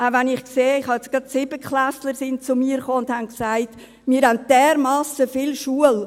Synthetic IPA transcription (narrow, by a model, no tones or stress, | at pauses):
ʔavænɪχkseːɪχhɑɛt͡sɡ̥ɾɑtsɪbəkʰχlæsləɾsɪnt͡sʊmiːəɾχoːʊndhanksaɪt | miəɾhæn̚d̥ɛːɾmɑːsəfɪlʃuəl